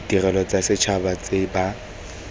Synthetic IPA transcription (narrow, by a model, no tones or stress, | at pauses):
dirɛlɔt͡sʼasɪt͡ʃʰabat͡sʼeba